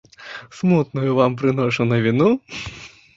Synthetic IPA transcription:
smut̪̚nɐjʊvampɾɨnɔʂɐnɐvʲinu

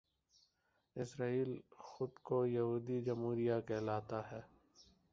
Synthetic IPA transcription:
ɪsɾaːiːlxʊd̪kojɐɦuːd̪id͡ʒɐmɦuːɾijakɛːlaːt̪aɦɛː

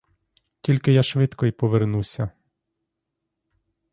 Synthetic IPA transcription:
tʲilʲkɪjaʃʋɪt̪kɔjpɔʋernusʲɐ

